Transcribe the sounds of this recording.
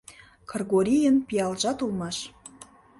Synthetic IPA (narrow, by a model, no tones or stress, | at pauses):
kʰɤrɣoɾʲijənpijɑlʒɑt̪ulˠmɑʃ